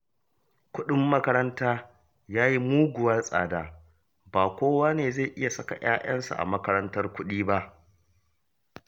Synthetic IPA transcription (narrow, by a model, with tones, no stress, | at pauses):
kʷʊ˦ɗʊ˦mːɐ˦kɐ˦ɾɐ˦ntaː˦ | jaː˦ji˦muː˦ɡʷʊ˨wɐ˦sʼa̰ː˨daː˨ | baː˨kʷoː˦waː˦neː˨za˦˨ʔɪ˦ja˨sɐ˦ka̰˨j̰aː˦jɐ˦nsa̰˨ʔa̰˨mɐ˦kɐ˦ɾɐ˦ntɐ˦rkʷʊ˦ɗiː˦ba˦ʔ